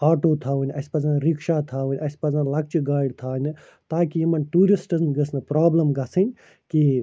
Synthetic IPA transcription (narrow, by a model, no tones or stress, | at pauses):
aːʈoːt̪ʰaːʋunʲɐspɐzanɾikʃaːt̪ʰaːʋunʲɐspɐzanlɐk̚t͡ʃɡaːɖt̪ʰaːnʲɨ | t̪aːkijimɐnʈuːɾisʈɐznɡəsnɨpɾaːblɐmɡɐsɨnʲ | ki